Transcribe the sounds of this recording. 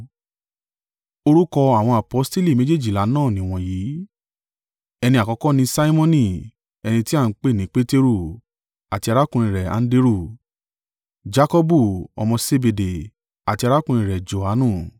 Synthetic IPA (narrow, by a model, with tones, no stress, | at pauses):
o˧ɾu˦kɔ˧a˨w̃ɔ̃˧a˨pɔ˨˦ste˦li˦˨mẽ˨˦d͡ʒe˦˨d͡ʒi˦˨la˨˦nãː˦˨nĩ˨˦w̃ɔ̃˧jiː˨˦ | ɛ˧nĩ˧a˨kɔ˨˧˦kɔ˦nĩ˧sa˦i˦mɔ̃˦nĩ˦˨ | ɛ˧nĩ˧ti˦a˦˨n̩˦k͡pe˦˨nĩ˨˦k͡pe˦te˦ɾu˦˨ | a˨ti˧a˧ɾa˦kũ˧ĩ˨ɾɛ˨ã̰˨˦n̩˦de˦ɾu˦˨ | d͡ʒa˦kɔ˦bu˦˨ɔ̰˧mɔ̃˧se˧be˧de˨ | a˨ti˧a˧ɾa˦kũ˧ĩ˨ɾɛ˨d͡ʒo˨ha˨˦nũ˦˨